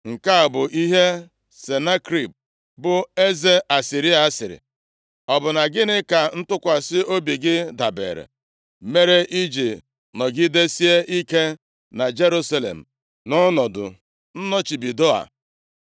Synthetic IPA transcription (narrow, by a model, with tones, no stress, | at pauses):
ŋ̩˨ka˦a˨bʊ˨ʔi˦ɦe˦ | se˨na˦kɾi˦˨p̚ | bʊ˨e˦ze˦ʔa˨si˨ɾi˦a˨a˦sɪ˨ɾɪ̰˨ | ɔ˨bʊ˨na˨ɡɪ˦nɪ˦ka˨n̩˦tʊ˦kʷa˨sɪ˦o˦bi˨ɡɪ˦da˨bḛ˨ɾḛ˨ | me˦ɾe˦ʔi˦d͡ʒi˨ | nɔ˨ɡɪ˦de˦si˦e˦ʔi˦ke˦ | na˨d͡ʒe˦ɾu˦sa˦lḛ˨m̩˨ | nɔ˦nɔ˨dʊ̰˨ | n̩˦nɔ˦t͡ʃi˨bi˨do˦a̰˨